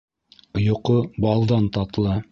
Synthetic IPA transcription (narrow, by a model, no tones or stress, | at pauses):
ŏjŏqobɑlˠd̪ɑnt̪ɑt̪lˠɤ